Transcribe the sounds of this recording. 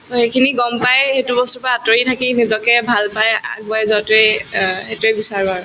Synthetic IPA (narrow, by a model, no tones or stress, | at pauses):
soxejkʰiniɡɔmpajxetubɔstɔpaatɔɹitʰakinizɔkɛbʱalpaja̰k̚bajzɔtɛhetuebisaɹuaɹʊ